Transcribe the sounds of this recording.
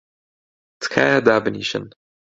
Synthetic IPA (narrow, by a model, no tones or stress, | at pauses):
t̪kʰa̰ːjad̪aːbɨniːʃɨ̰n